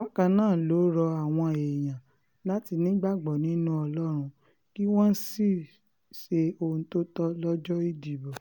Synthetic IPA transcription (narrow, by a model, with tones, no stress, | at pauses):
ɔ˦kã˧nãː˦˨lo˨˦ɾɔ˧a˨w̃ɔ̃˧˨e˨j̃ã˨ | la˦ti˧nĩ˦ɡ͡ba˦˨ɡ͡bɔ˨nĩ˨˦nũ˦ɔ˧lɔ˦ɾ̃ũ˧ | ki˦w̃ɔ̃˦n̩˦si˦˨ | ʃe˧o˧ũ˧to˦tɔ˦lɔ˦d͡ʒɔ˦i˧di˨bɔ˨